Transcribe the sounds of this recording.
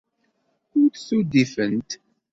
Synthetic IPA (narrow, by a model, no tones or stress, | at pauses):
ʊɾt̪sud̪ifənt̪